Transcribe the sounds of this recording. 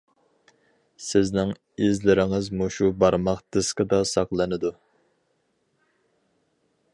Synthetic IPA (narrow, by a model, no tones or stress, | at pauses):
sɪznɪŋ | izlɪɾɪŋɪzmuʃubɑɾmɑqd̪̥ɨsqəd̪ɑsɑqlˠɨnɨd̪u